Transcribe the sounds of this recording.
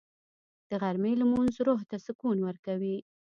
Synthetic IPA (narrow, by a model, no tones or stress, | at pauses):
d̪̥əɣaɾmelamunzɾoɦt̪asəkunwəɾkawi